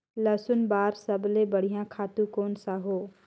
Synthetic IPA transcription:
ləsʊnbaːɾsəblebəɽ̤ijãkʰaːt̪ũkoːnsaɦoː

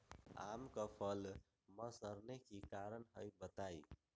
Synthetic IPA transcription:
a̰mkəpʰəl | məsəɾnekikaɾənɦəjbət̪aj

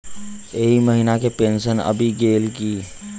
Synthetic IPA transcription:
eɦiməɦinakepensənə̰bʱiɡeːlki

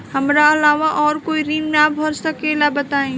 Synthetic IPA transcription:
hɐmɾaɐlaːʋaʔɔːɾkoːiɾiːmnaːbʱɔɾsakeːlabɐt̪aːẽː

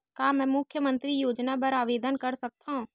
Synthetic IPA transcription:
kaːmɛ̃ːmʊkʰjəmə̃nt̪ɾijoːd͡ʒnapəɾaːʋeːd̪ənkəɾsɐk̚t̪aɦũː

